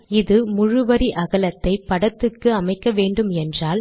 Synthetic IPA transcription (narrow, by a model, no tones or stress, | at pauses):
ɪðɯmʊɻʊʋɐɾiʔɐɣɐlɐt̪ːɐɪpɐɽɐt̪ːɯkːɯɐmɐɪkːɐʋeːɳɖɯmɛndraːl